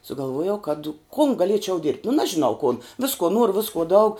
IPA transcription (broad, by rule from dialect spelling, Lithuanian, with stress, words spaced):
sʊɡɐlˠˈʋuɔjɛʊ kɐt kʊn ɡɐˈlʲiɛt͡ʃʲɛʊ ˈdʲɪrʲpʲtʲ nʊ ˈnɑːʒʲɪnɐʊ kʊn ˈʋʲɪskuɔ ˈnuɔrʊ ˈʋʲɪskuɔ dɐʊk